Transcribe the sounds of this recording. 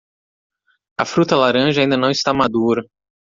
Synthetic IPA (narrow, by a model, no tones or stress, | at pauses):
ɐfɾut̪ɐlaɾɐ̃ʒɐaĩd̪ɐnɐ̃w̃ɪst̪amad̪uɾɐ